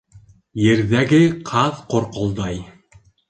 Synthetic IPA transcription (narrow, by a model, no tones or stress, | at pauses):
jɘ̆ɾðæɡɘqʰɑðqŏɾqŏlˠd̪ɑj